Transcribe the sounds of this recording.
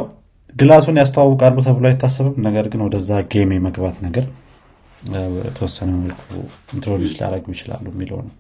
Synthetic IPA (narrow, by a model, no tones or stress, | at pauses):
ɡɨlasunjas̬t̪ʰawawɔkʼalbusəβulajɛt̪ʰːasːɨβɨmnəɡəɾɡɨnwɔd̪əzːaɡe̞me̞məɡbat̪nəɡəɾ | t̪ʰəwɔsːənəmməlkʰṵnt̪ɾolɪt͡ʃla̰ɾəɡjɪt͡ʃɪla̰lːujɛmːilo̰nə̰w